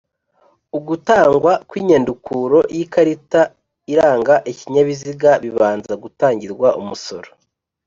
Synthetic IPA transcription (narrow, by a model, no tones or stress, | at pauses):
uɡutaːŋɡwakwiːɲandukʰuɾo̞jikaɾita | iɾaːŋɡaʔiciɲaβiziɡaβiβaːnzaɡutaːɲɟiɾɡwaʔumuso̞̰ɾo